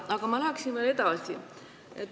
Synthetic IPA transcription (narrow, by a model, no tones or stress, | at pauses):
ɑɡ̥ɑmɑlææksinveːle̞d̪ɑsi | et̪ː